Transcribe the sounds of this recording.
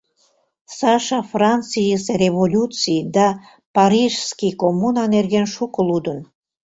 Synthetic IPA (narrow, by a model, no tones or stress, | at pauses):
sɑʃɑfrɑnt͡sijəsereβolʲut͡sijd̪ɑ | pɑɾiʒskikomunɑnerɣenʃukəlud̪ən